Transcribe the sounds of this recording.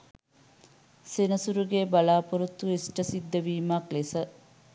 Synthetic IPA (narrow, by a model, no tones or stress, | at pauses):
senəsuɾuɡebalaːpuɾut̪ːuesʈəsid̪ːəʋiːmɐklesə